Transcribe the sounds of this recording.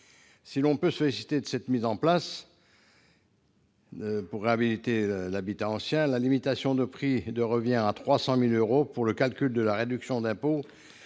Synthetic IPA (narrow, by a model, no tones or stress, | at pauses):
silɔ̃pøsɔlisi̥t̪ed̪əsɛt̪mizɑ̃plas | puʁːeabilit̪elabit̪aɑ̃sjɛ̃lalimit̪asjɔ̃d̪əpχid̪əʁəvjɛ̃ʁat̪χwasɑ̃miløʁopuʁləkalkʲyld̪əlaʁed̪yksjɔ̃d̪ɛ̃po